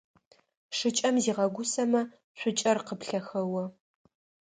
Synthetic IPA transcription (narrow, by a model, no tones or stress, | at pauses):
ʂɨt͡ʃʼɐmziːʁɐɡʷʊsɐmɐ | ɕʷʊt͡ʃʼɐrqəpɬɐxɐwɐ